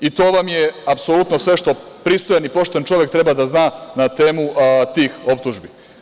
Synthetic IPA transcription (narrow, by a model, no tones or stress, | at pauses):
it̪o̞ːʋamjeapsolut̪no̞sʋe̞ʃt̪o̞ | pɾiːst̪ojanipo̞ʃt̪ant͡ʃo̞ʋek̚t̪ɾe̞baːd̪aznaːnat̪eːmut̪iːxo̞pt̪uʒbi